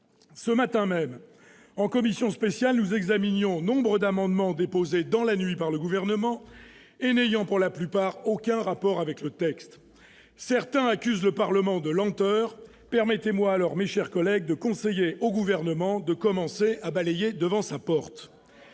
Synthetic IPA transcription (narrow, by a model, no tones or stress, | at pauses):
səmat̪ɛ̃mɛm | ɑ̃kɔmisjɔ̃spesjalnuzɛɡzaminjɔ̃nɔ̃bʁəd̪amɑ̃d̪mɑ̃d̪epozed̪ɑ̃lanɥipaʁləɡuvɛʁnəmɑ̃ | enejɑ̃puʁlaplypaʁokʲɛ̃ʁapɔʁavɛklət̪ɛkst̪ | sɛʁt̪ɛ̃akʲyzləpaʁləmɑ̃d̪əlɑ̃t̪œːʁ | pɛʁmɛt̪emwaːlɔʁmeʃɛʁkɔlɛɡ̚d̪əkɔ̃sejeʔoɡuvɛʁnəmɑ̃d̪əkɔmɑ̃seabalɛjed̪əvɑ̃sapɔʁt̪